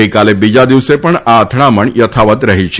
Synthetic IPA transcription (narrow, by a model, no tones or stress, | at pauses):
əjkalebid͡ʒad̪iʋsepəɳaət̪ʰɳ̃aməɳjət̪ʰaʋət̪ɾəɦit͡ʃʰ